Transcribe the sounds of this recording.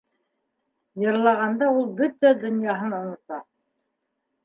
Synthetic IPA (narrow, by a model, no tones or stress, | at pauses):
jɤ̆ɾlˠɑʁɑnd̪ɑulˠbɵt̪æd̪ɵ̆njɑɦɤnŏnŏt̪ɑ